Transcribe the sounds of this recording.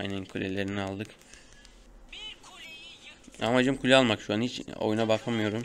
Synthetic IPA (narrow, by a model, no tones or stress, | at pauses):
jnenkʰulʲelʲe̞ɾinialˠd̪ɯk | a̰mad͡ʒɯmkʰulʲɛalˠmakʃuanhit͡ʃo̰junabakʰamɯjo̞ɾum